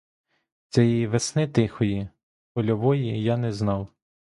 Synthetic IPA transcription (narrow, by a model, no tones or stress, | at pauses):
t͡s̪ʲɛjiiʋesnɪt̪ɪxɔji | pɔlʲɔʋɔjijanɛznɑw